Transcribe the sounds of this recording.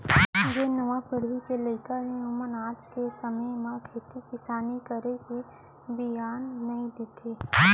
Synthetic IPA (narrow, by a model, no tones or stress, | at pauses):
d͡ʒenɐʋapɪɽʋikeləɪkanẽʊmənaːd͡ʒkesɐməjmãkʰeːt̪ikɪsaːnikəɾeke | bɪjaːnːɐĩd̪et̪ʰeː